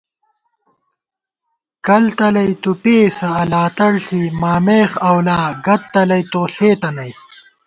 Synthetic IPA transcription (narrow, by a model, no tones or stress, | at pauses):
kɐlt̪ɐlɐjt̪upeːsɐːlaːt̪ɐɽɬimaːmeːxɐwlaːɡɐt̪ːɐlɐjt̪oːɬeːt̪ɐnɐj